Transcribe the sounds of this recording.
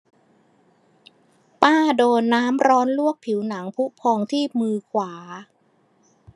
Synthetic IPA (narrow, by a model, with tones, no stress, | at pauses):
paː˥˩doː˧nːaː˦˥mɾɔː˦˥nlu˥˩ək̚pʰi˩˦wna˩˦ŋpʰu˦˥pʰɔː˧ŋt̪ʰiː˥˩p̚mɯː˧kʰwaː˩˦